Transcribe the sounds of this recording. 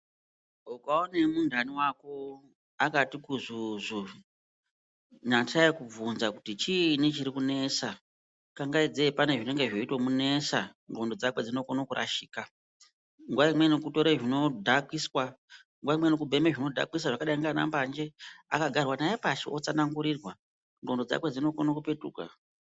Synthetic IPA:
ukaonemundʱaniwako | akatikuzuzu | ɲataikub͡vunzakutit͡ʃinit͡ʃiɾikune̞sa | kaŋɡaid͡zepane̞ʐine̞ŋɡe̞ʐo̞itwomune̞saŋɡo̞ndo̞d͡zakwe̞d͡zino̞konokuɾʔa̰ʃiːka | ŋɡwaimwe̞nokuto̞ɾeʐino̞dʱakwiswa | ŋɡwaimwenok̬ubʱe̞meʐino̞dʱa̰kis̬waʐakaɗaiŋɡana̰mband͡ʒe̞a̰kaɡʱarwanajepaʃḛʔot͡sanaŋɡuɾirwa | ŋɡo̞ndo̞d͡za̰kwe̞d͡zino̞konokupe̞tṵːka̰

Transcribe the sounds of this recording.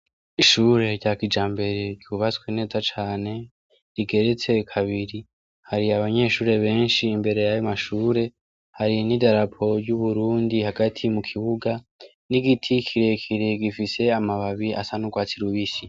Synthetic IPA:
iʃuːɾe̞ɾɟakid͡ʒaːmbe̞ɾe̞ɟɟjuβat͡skwiːne̞ːzat͡ʃaːne̞ | ɾiɡe̞ɾe̞t͡se̞kʰaβiɾi | haɾiaβaɲe̞ːʃuːɾe̞βe̞ːnʃiːmbe̞ɾe̞jajomaʃuːɾe̞ | haɾinidaɾapʰo̞ɾɟuβuɾuːndihaɡatʰimukʰiβuɡa | niɡitʰikʰiɾe̞kʰiɾe̞ɡifise̞amaβaβiʔa̰sanuɡwaːt͡siɾuβisi

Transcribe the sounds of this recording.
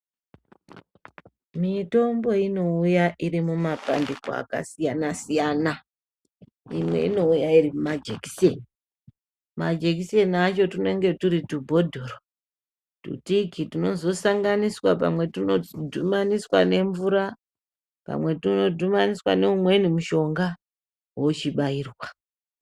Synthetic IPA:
mito̞mbo̞ino̞ujaʔiɾimumapa̰ndiko̰a̰ka̰sijanasijana | ḭmwe̞̰ḭno̞ujairimumad͡ʒeki̥sieni | mad͡ʒekisieniat͡ʃo̞tune̞ŋɡe̞tuɾitubʱo̞dʱo̞ːro | tṵtikitino̞zo̞saŋɡaniswapa̰mwe̞tunodʱumaniswane̞ɱvuɾa | pa̰mwe̞tino̞dʱumaniswa̰ne̞umwe̞nimuʃo̞ŋɡa | wot͡ʃiɓaiːrwa

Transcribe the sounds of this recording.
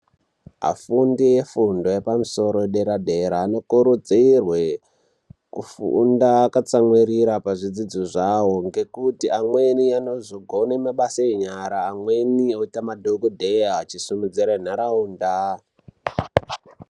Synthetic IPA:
ɦa̰fundije̞fundo̞je̞pamuso̞ɾo̞eɗe̞ɾadʱe̞ɾaːno̞kuɾud͡ziirwe | kufṵndakat͡samwiɾiɾapaʐid͡zid͡zoʐaoŋɡe̞kutiʔamweniano̞zoɡʱonemaɓasaeɲaɾaːmwe̞nio̞itamadʱoɡodʱeɦaːt͡ʃisumud͡ziɾen̤aɾauːnda

